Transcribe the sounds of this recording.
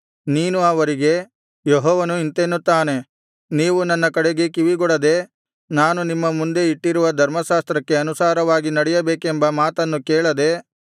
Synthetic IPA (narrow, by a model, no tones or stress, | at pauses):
niːnuɐʋɐɾiɡe̞ | jɔɦɔːʋɐnuint̪enːut̪ːaːne̞ | niːʋunɐnːɐkɐɽeɡe̞kiʋiɡɔɽɐd̪e̞ | naːnunimːɐmund̪e̞iʈːiɾuʋɐd̪ʱɐɾmɐʃaːst̪ɾɐkːe̞ɐnusaːɾɐʋaːɡinɐɽɛjɐbeːkembɐmaːt̪ɐnːukeːɭɐd̪e̞